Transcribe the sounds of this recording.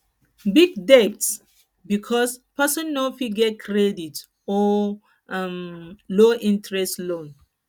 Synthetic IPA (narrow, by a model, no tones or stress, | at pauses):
biɡ̚dɛts | bikʰɔspɛsɔ̃nːofiɡɛkʰɹedit | ɔ | amloʔĩntɹɛstlõn